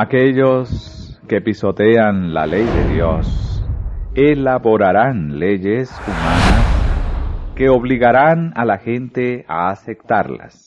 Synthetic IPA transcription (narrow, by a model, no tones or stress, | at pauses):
akeʎos | ke̞piso̞t̪e̞anla̰le̞jðḛðjo̞s | elaβo̞ɾaɾanleʝesumanas | ke̞o̞βliɣaɾanalaxe̞nt̪eaːse̞k̚t̪aɾla̰s